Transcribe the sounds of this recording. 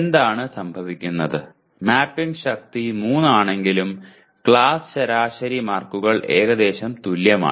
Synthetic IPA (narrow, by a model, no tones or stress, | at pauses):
nd̪aːɳɨsɐmbʱɐʋikʲːunːɐðɨ | maːpːiŋɡɕɐk̚t̪imuːnːaːɳe̞ŋɡilum | kɭaːsɨ̥ɕɐɾaːɕɐɾimaːrkuɣɐɭʔe̞̰ːɣɐd̪e̞ːɕɐmt̪uljɐma̰ː